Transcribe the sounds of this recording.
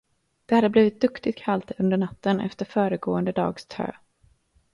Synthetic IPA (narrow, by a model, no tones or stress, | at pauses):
d̪̥ɛhad̪ːəbliːvɪt̪̚d̪ɵkt̪ɪt̪̚kʰalt̪ɵnd̪əɳat̪ːənɛ̰ft̪əɾfœːɾəɡoːənd̪əd̪ɑ̰ːɡst̪ʰø̰ː